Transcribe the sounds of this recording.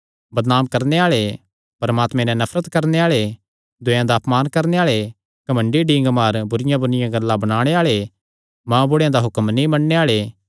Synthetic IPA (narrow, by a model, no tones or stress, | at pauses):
bɐd̪naːmkɐɾneaːɭe | pɐɾmaːt̪mɛ̃nɛ̃nɐfʰɾət̪kɐɾneaːɭe | d̪ʊ̃jãd̪aːpmaːnkɐɾneaːɭe | kɐmə̃ɳɖiɖĩːŋɡmaːɾbʊɾɪjãbʊɾɪjãɡɐlːãbɐɽ̃aːɽ̃eaːɭe | mãːbʊɽejãd̪aɦʊkəmnĩmɐnneaːɭe